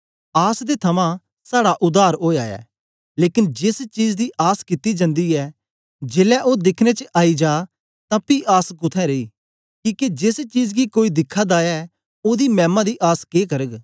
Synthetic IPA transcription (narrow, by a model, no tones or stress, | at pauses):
aːsd̪et̪ʰɐmã | saːɽaʔʊd̪aːɾoːa̰ːɛ̰ː | leːkɪnd͡ʒɪst͡ʃiːd͡ʒd̪iːʔaːskɪt̪id͡ʒə̃nd̪iːɛː | d͡ʒeːlɛʔoːd̪ɪkʰnet͡ʃəʔaːid͡ʒaː | t̪ãːpiːʔaːskʊt̪ʰɛ̃ɾeiː | kĩːked͡ʒɪst͡ʃiːd͡ʒɡikoːiːd̪ɪkʰːãːd̪aːɛː | oːd̪iːmɛ̃ːmãd̪iʔaːskeːkəɾəɡ